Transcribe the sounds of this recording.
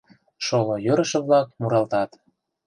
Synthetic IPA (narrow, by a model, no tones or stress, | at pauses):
ʃolojøɾə̆ʃɤ̆βlɑk̚muɾɑlt̪ɑt̪